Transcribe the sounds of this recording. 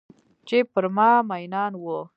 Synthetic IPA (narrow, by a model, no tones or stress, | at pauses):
t͡ʃepəɾmɑmajnɑnwo